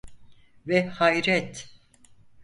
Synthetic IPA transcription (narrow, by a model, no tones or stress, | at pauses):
vɛhajɾɛt̪